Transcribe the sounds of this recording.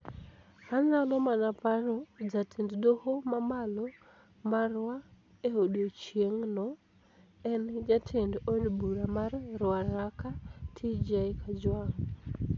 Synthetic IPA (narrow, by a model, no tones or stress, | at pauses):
hanalɔmanapaɾod͡ʒatʰenddohomamalo | marwa | ehodot͡ʃieŋnɔ | ɛnd͡ʒatʰendodbuɾamarːwaɾakatʰid͡ʒaikʰad͡ʒwaŋ